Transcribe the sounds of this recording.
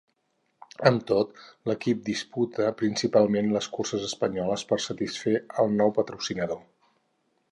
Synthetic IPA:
əmt̪ot̪ləkip̚d̪isput̪əpɾinsipalˠmenləskursəzəspəɲɔləspərsət̪isfeəlˠnɔwpət̪ɾusinəðo

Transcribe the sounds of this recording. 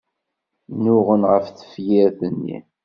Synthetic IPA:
nʊʁənʁəfθə̥fjiɾθənːḭ

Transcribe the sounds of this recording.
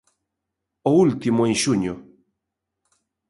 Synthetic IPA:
oult̪imoenʃuɲo

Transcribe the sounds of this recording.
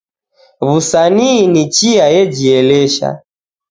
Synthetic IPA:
βusaninit͡ʃiajɛd͡ʒiɛlɛʃa̰

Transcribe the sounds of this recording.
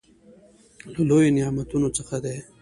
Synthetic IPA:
ləlojonɪjɑmat̪unot͡səxad̪e

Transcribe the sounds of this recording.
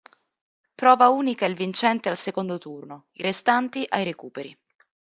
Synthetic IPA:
pɾɔːvauːnikailvint͡ʃɛnt̪ealsekond̪ot̪urno | iɾest̪ant̪iʔajɾekuːpeɾi

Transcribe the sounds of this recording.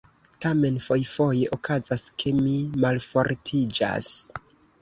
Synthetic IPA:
tame̞nfo̞jfo̞je̞ʔokazaskʰe̞mimalfo̞ɾtʰid͡ʒa̰s

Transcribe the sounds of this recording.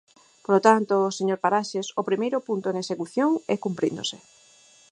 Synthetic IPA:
polot̪ant̪oːseɲoɾpaɾaʃesopɾimejɾʊpunt̪onesekuθjoŋɛkumpɾḭnd̪o̰sɪ

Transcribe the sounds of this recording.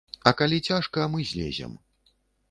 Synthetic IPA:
ɐkalʲit͡sʲaʂkɐmɨzʲlʲḛzʲɛ̰m

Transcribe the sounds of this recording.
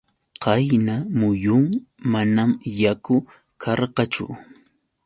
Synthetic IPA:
qɑjnamʊjʊŋmanamjakʊ | kʰɑɾqɑt͡ʃʊ̰

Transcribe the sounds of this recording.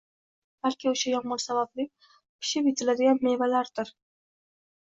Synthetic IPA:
b̥alkʲɪʊʃajɒŋmɒnsabablɪkʲ | kʲʰɪ̥ʃɪpjɪt̪ʰɪlad̪ɪɡʲanme̞valaɾd̪ɪɾ

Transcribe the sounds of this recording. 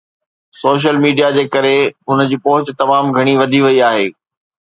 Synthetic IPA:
soːʃ̬əlmiːɖijad͡ʑeːkɐɾeɦʊn̆d͡ʑiːpoɦʊt͡ɕt̪ɐmaːmɡʱɐɽ̃iʋɐd̪ʱiʋɐiaːɦeː

